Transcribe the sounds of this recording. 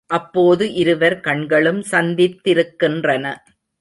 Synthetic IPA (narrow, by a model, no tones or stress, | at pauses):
ʔɐpːoːðɯʔɪɾɯʋɐɾkɐɳɡɐɭɯmsɐnd̪ɪt̪ːɪɾɯkːɪndrɐnɐ